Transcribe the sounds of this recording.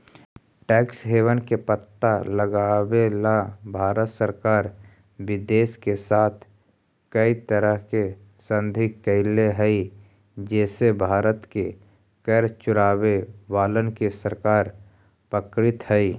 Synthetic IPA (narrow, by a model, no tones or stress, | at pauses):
ʈɛːksɦeːʋənkepət̪ːaləɡaːʋelabʱaːɾət̪səɾkaːɾ | ʋɪd̪eːskesaːt̪ʰ | kəit̪əɾəɦke | sə̃nd̪ʱikːəɪleɦɛi | d͡ʒɛːsebʱaːɾət̪ke | kəɾt͡ʃʊɾaːwewaːlənkesəɾkaːɾ | pəkɾɪt̪ɦɛi